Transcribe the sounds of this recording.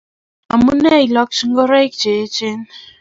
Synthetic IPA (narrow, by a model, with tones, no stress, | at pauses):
a˨mu˦nɛ˦i˨lɔ˦k̚t͡ʃi˦ŋɡɔ˦ɾa˦jkt͡ʃe˨˦t͡ʃe˦n